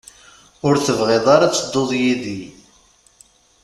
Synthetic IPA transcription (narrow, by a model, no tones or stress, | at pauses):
ʊɾθəvʁeðˤɑɾɑt͡sːəd̪ˤːoðˤjiði